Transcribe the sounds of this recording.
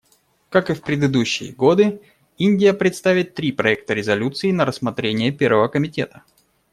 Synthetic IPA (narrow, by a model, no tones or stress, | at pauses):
kakɨfpɾʲɪd̪ɨd̪uɕːɪ̰jə̰ɡo̞d̪ɨ | inʲdʲɪjəpɾʲɪt̪st̪avʲɪt̪ːɾʲipɾɐɛk̚t̪əɾʲɪzɐlʲut̪sɨɪnəɾəsmɐt̪ɾʲenʲɪjəpʲe̞rvəvəkəmʲɪtʲe̞̰t̪ə